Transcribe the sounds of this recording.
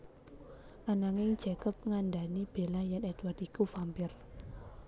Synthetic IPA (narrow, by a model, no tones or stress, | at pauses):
ʔanaŋɪŋ̥d͡ʒ̥ɛkəp̚ŋandanib̥e̤lajanɛd̪wardikufampɪr